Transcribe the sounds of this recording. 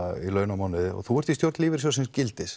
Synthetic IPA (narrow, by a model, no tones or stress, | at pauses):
ilœːɥnamawnɪðɔ̰ɣθuɛɾt̪ist̪jowɾt̪liːvɪɾ̥s̬jasɛmscɪlt̪ɪs